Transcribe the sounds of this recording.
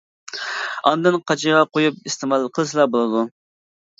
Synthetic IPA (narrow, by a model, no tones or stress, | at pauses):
ɑnd̪ɨnqʰɑt͡ʃʰiʁɑqʰojupɨst̪ʰemɑlˠqʰəlˠɨsɨlˠɑbolˠɨd̪u